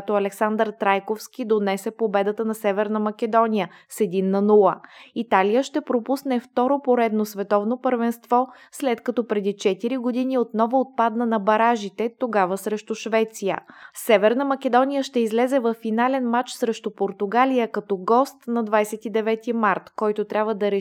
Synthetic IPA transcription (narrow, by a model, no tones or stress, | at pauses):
t̪oɐlɛksand̪əɾt̪ɾajkofsk̟id̪onɛsɛpobɛd̪ət̪ənɐsɛvɛɾnəmɐk̟ɛd̪ɔnijə | sɛd̪inːɐnulˠəit̪alijəʃt̪ɛpɾopusnɛft̪ɔɾopoɾɛd̪nosvɛt̪ɔvnopəɾvɛnst̪vɔ | slɛt̪kɐt̪ɔpɾɛd̪it͡ʃɛt̪iɾiɡod̪iniot̪nɔvoot̪̚pad̪nənɐbɐɾaʒit̪ɛt̪oɡavəsɾɛʃt̪ʊʃvɛt̪sijə̰sɛvɛɾnəmɐkɛd̪ɔnijəʃt̪ɛizlɛzɛvɐfːinalɛnmat͡ʃsɾɛʃt̪ʊpoɾt̪ʊɡalijəkɐt̪ɔɡɔst̪nɐd̪vajsɛt̪id̪ɛvɛt̪imaɾt̪kɔjt̪ot̪ɾʲabvəd̪ɐɾɛ